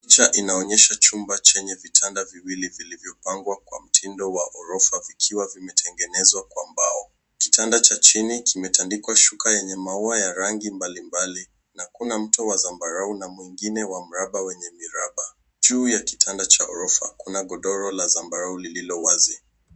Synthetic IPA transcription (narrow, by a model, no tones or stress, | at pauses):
t͡ʃaʔinaɔɲɛʃat͡ʃumbat͡ʃɛɲɛvitʰandaviwilivilivjɔpaŋɡwakwam̩tʰindɔwaʔɔɾɔfavikʰiwavimɛtʰɛŋɡɛnɛzwakwambaɔ | ki̥tandat͡ʃat͡ʃinikimɛtandikwaʃukajɛɲɛmauajaɾaŋɡimbalimbali | nakunam̩tɔwazambaɾaunamwiŋɡinɛwam̩ɾaɓawɛɲɛmiɾaɓa | d͡ʒuːjaki̥tʰandat͡ʃaɔɾɔfa̰kunaɡɔɗɔɾɔlazambaɾaulililɔwazi